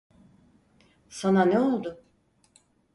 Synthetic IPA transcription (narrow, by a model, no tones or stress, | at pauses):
sananeo̞lˠd̪ʊ